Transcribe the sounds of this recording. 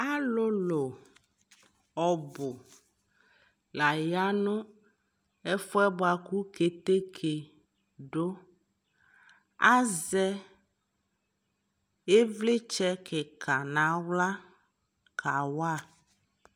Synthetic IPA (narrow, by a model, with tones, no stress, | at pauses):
a˦lo˦lo˨ | ɔ˨bʊ˨ | la˨ja˦nʊ̃˦ | ɛ˦fo˦ɛ˦bɔ˦a˨ku˦ke˨t̪e˦kʰe˨ | ɖo˦ | a˦zɛ˦ | e˦vlɪ˦t͡ʃɛ˦kʰɛ˨ka˨nã˨wla˦ | kʰa˨wa˦˨